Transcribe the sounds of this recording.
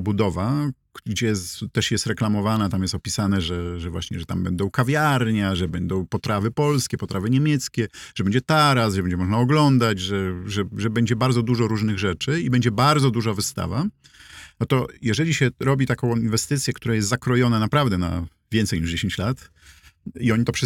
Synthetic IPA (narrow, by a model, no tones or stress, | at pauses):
bud̪ɔva | ɡd͡ʑɛjst̪ːɛʂjɛst̪ɾɛklamɔvanat̪amjɛst̪ɔpʲisanɛʐɛʐɛvwa̰ɕɲɛ̰ʐɛt̪ambɛnd̪ɔ̃w̃kavʲjaɾɲaʐɛbɛnd̪ɔ̃w̃pɔt̪ɾavɘpɔlskʲɛpɔt̪ɾavɘɲɛmʲjɛt̪skʲɛʐəɛbɛɲd͡ʑɛt̪aɾasʐɛbɛɲd͡ʑɛmɔʐnaɔɡlɔnd̪ad͡ʑʐɛʐɛʐɛbɛɲd͡ʑɛbaɾdzɔd̪uʐɔɾuʐnɘɣʐɛt͡ʂɘibɛɲd͡ʑɛbaɾd̪zɔd̪uʐavɘst̪a̰va̰ | nɔt̪ɔjɛʐɛlʲiɕɛɾɔbʲit̪akɔ̃w̃invɛst̪ɘt̪sʲjɛkt̪uɾajɛst̪zakɾɔjɔnanapɾavd̪ɛna̰ | vʲjɛnt̪sɛjɲiʐd͡ʑeɕẽɲt͡ɕlat̪ | iɔɲit̪ɔpʂɛ